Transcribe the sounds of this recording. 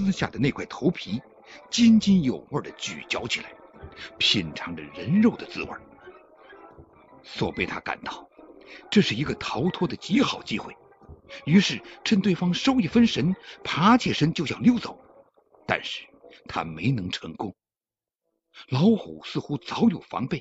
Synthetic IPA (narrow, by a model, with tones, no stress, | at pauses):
sɹ̩˥ɕja̰˥˩d̪ə˩ne˥˩ɪkʰwa˥˩ɪt̪ʰo˧˥ʊpʰi˧˥ | t͡ɕi˥nt͡ɕi˥njo˨˩ʊwə˞˥˩d̪ə˩t͡ɕy̰˨˩t͡ɕjɑ˧˥ʊt͡ɕʰi˨˩la̰˧˥ɪpʰi˨˩nʈ͡ʂʰɑ˧˥ŋd̪ə̰˧˨ɻə˧˥nɻo˥˩ʊd̪ə˩t͡sɹ̩˥wə̰˞˨˩ | swɔ̰˨˩pe˥˩ɪt̪ʰa̰˥ka̰˨˩nt̪ɑ˥˩ʊʈ͡ʂɤ˥˧ʂɻ̩˥˩i˧˥ɡə˧t̪ʰɑ˧˥ʊt̪ʰwɔ˥d̪ə˨t͡ɕi˧˥xɑ˨˩ʊt͡ɕi˥xwe˥˩ɪ | y˧˥ʂɻ̩˥˩ʈ͡ʂʰə˥˧nt̪we˥˩ɪfɑ˥ŋʂo˥ʊi˥˩fə˥nʂə˧˥npʰa˧˥t͡ɕʰjɛ˥˩ʂə˥nt͡ɕjo˥˧ʊɕjɑ̰˥˩ŋljo˥˩ʊt͡so˨˩˦ʊ | t̪a̰˥˧nʂɻ̩˥˩ | t̪ʰa̰˥me˧˥ɪnɤ˧˥ŋʈ͡ʂʰɤ˧˥ŋkʊ˥ŋ | lɑ˧˥ʊxu˨˩sɹ̩˥˩xu˥t͡sɑ˧˥ʊjo˨˩ʊfɑ̰˧˥ŋpe˥˩ɪ